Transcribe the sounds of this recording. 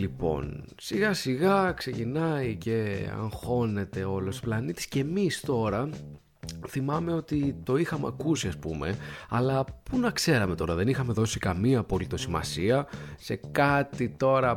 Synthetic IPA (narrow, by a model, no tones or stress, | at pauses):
lipo̞̰n | siɣɐsiɣɐkse̞cinɐice̞ɐ̰ŋxo̞ne̞t̪e̞o̞losi̥plɐnit̪i̥sce̞mist̪o̞ɾɐ | θimɐme̞o̞t̪it̪o̞ixɐmeɐ̰kusiɐspume̞̰ɐlɐpunɐkse̞ɾɐme̞t̪o̞ɾɐðe̞nixɐme̞ðo̞sikɐmiɐpo̞lit̪o̞simɐ̰siɐse̞kɐt̪it̪o̞ɾɐ